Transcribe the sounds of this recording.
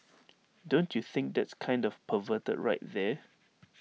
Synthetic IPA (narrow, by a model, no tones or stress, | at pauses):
dõntʰjuθɪ̃ŋk̚d̪ɛtskʰãj̃ndɔvpʰəvətə̰dɹa̰ɪt̚ðɛ